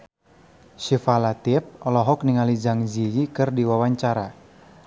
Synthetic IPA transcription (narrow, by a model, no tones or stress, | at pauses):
ʃifalat̪iɛp̚ɔlɔɦɔkniŋalid͡ʒaŋd͡ʒiɡikɨrdiwawaɲt͡ʃaɾa